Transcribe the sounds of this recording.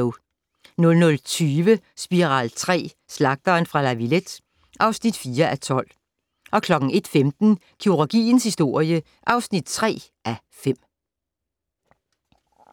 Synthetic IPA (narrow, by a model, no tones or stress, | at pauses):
ʊ | nɔ̽lnɔ̽lt͡sʰyːʋə | sb̥iʁɑ̰̈ːlt͡sʰʁɛ̰ː | slɑ̈ɡ̥̚d̥ɐːnfʁɑ̈læʋiled̥ | ʔɑ̈ʊsnid̥fiːɐʔæt͡sʰɒ̽l̰ | ʔɒ̽kʰlɒ̽ɡ̥ŋ̩e̝d̥femd̥n̩ | kʰiuʁoɡ̥ḭːnshisd̥o̝ɐ̰jə | ʔɑ̈ʊsnid̥t͡sʰʁɛ̰ː | ʔæ | fem̰